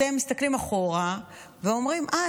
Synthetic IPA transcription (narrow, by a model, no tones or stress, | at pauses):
emːist̪aklimaχoʁa | veo̞mʁimʔa